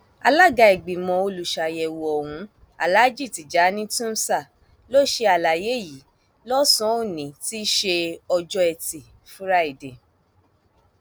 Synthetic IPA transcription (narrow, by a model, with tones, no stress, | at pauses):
a̰˧la˦˨ɡa˧i˨ɡ͡bĩ˨mɔ̃˧o˧lu˨ʃa˨jɛ˨wo˨ɔ˨hũ˨˦ | a̰˨la˦d͡ʒi˦˨ti˨d͡ʒa˨˦nĩ˦tũ˦n̩˦sa˦˨ | lo˦ʃe˧a˨la˨je˨˦˨ji˨˦ | lɔ˦sɔ̃˦o˦˨nĩ˨ti˦ʃe˧ɔ˧d͡ʒɔ˦ɛ˧ti˨ | fu˦ɾa˦i˦˨de˨